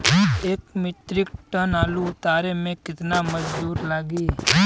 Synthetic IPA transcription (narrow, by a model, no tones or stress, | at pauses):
eːkmɪt̪ɾɪkʈənaːluʊt̪aːɾemẽkɪt̪namɐd͡ʒd̪uːɾlaːɡiː